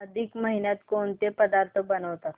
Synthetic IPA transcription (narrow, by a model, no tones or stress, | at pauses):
ɐd̪ʱikməɦinat̪kont̪epəd̪aɾt̪ʰəbənəʋt̪a